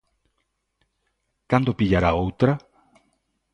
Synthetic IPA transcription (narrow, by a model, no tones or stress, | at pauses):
kand̪opiʎaɾaowt̪ɾa